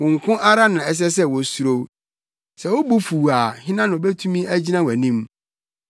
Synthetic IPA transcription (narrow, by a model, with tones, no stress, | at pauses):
wʊ̃˨ŋ̩˨kʰʊ̃˦ʔa˦ɾa˦nã˨ɛ˨s̬ɛ˦s̬ɛ˦wɔ˨su˨ɾo˨ | sɛ˨wo˦bu˦fu˨a˨hɪ̃˦nã˦nʊ̃˨be˦tʰũ˦mĩ˦æ˦d͡ʑi˦nã˦wæ˨nĩ˦m